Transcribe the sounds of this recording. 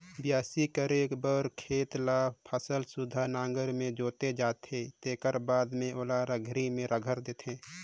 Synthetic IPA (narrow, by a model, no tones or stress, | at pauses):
bjaːsikəɾeːkbəɾkʰeːt̪lapʰəsəlsud̪ʱanãːŋɡəɾmẽd͡ʒoːt̪ed͡ʒaːt̪ʰet̪eːkəɾbaːd̪mẽoːlaːɾəɡʱɾimẽɾʔəɡʱəɾd̪eːt̪ʰẽː